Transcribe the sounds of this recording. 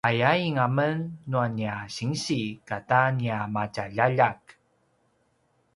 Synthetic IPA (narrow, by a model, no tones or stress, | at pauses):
ʔajaiŋamənːuaniaɕiŋɕikataniamacaʎaʎak